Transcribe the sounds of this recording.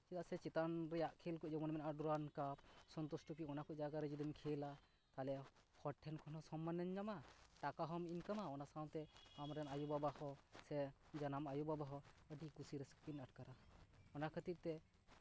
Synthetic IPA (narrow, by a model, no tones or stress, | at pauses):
t͡ʃit̪asɛt͡ʃit̪anɾɛjaʔkʰelkuʔd͡ʒɔmɔnmɛnaɖuɾankap̚sɔnt̪ɔsʈupiɔnakʰɔʔd͡ʒaɡaɾɛd͡ʒud̪inkʰela | t̪alɛ | hɔʈʰːɛnkʰɔnɔsɔmːanːɛnd͡ʒamaʈakaɦɔminkamaɔnasawnt̪ɛamɾɛnajubabahɔsɛd͡ʒanamajubabaɦɔəɖikusiɾɛspinaʈ̚kaɾaɔnakʰət̪iɾ̚t̪ɛ